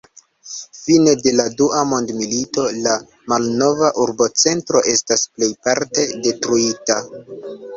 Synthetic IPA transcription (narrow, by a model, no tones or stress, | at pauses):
fine̞de̞laduʔamo̞ndmilito̞la | malno̞vaʔuɾbo̞t͡se̞ntɾo̞ʔe̞stasple̞jpaɾte̞de̞tɾuita